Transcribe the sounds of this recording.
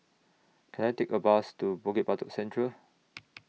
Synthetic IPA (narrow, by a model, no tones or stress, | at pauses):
kʰɛ̃najtekəbastubɔɡepatɔksɛ̃ntʰɹə